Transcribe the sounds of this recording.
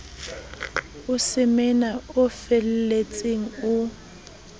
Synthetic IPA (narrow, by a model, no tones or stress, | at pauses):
ʊsɪmɛnaʊfɛl̩let͡sʼeŋ̩ʊ